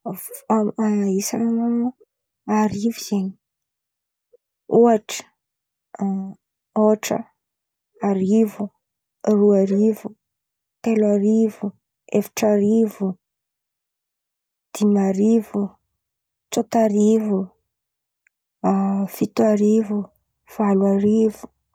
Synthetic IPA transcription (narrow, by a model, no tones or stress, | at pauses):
isa̰nna | aɾiviz̥eɲi̥ | uaʈ͡ʂə̥ | oʈ͡ʂə̰ | aɾivu | ruaɾivu | t̪elaɾivu | efḁʈ͡ʂaɾivu | d̪̥imaɾivu | t͡sot̪aɾivu | fit̪uaɾivu | v̥alaɾivu̥